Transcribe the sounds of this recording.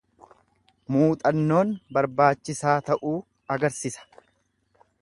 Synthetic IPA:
muːt̪ʼɐnːo̞ːnbɐɾbaːt͡ʃːɪsaːt̪ɐʔuː | ɐɡɐɾsisɐ̥

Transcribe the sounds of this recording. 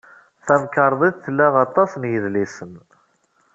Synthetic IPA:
θæmkɑɾˤðˤiðθəlːæʁɑt̪ˤːɑsnjəðlisən

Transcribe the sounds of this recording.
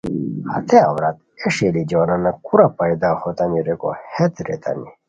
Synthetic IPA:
hɐ̰t̪eawɾat̪̚ | eʂelid͡ʑonanakuɾapajd̪ahot̪aniɾeko̰het̪ɾḛt̪a̰ni

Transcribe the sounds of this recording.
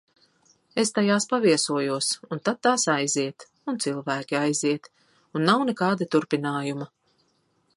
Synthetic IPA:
est̪ajaːspaviɛsuɔjuɔsunt̪at̪̚t̪ːaːsajziɛt̪ | unt̪silˠvæːkʲiajziɛt̪ | unːawnɛkaːd̪at̪uɾpinaːjuma

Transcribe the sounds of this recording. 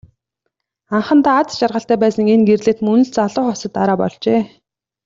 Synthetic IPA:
aɴχə̆nt̪aːat͡sʃarʁə̆ɬt̪æːpæːsə̆ŋenɡerɮeːt̪mɵnɵ̆ɬt͡saɮʊːχɔsə̆t̪ːaɾaːpɔ̰ɮt͡ɕeː

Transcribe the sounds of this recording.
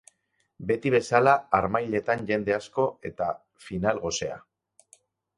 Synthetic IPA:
be̞t̪iβ̞e̞salaːɾmajʎe̞t̪anʝe̞nd̪e̞asko̞e̞t̪a | finalɣo̞se̞a̰

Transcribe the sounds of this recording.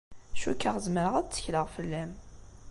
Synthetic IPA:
æʃukːəʁzməɾəʁæt͡sːə̥çləʁfəlːæm

